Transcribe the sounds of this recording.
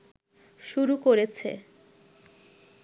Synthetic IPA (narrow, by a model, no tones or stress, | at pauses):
ʃuɾukoɾet͡ɕʰḛ